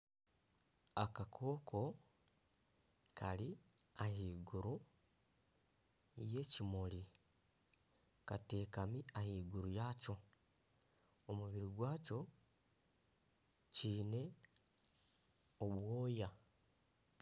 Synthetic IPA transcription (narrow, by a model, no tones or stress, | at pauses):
akakʰoːkʰo̞ | kʰali | ahiːɡuɾu | je̞cimoli | kate̞ːkamiahiːɡuɾujaːco̞ | omuβiɾiɡwaːco̞ | ciːne̞ | oβwoːja